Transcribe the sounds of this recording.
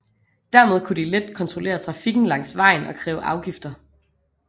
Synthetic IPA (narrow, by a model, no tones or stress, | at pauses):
d̥æɐmeð̞ˠkʰud̥iled̥kʰɒ̽nt͡sʰʁole̝̰ːɐt͡sʰʁɑ̈fiɡ̥n̩lɑ̈ŋ̰sʋɑ̈ɪ̰nɒ̽kʰʁɛ̰ːʊʔɑ̈ʊɡ̥ifd̥ɐ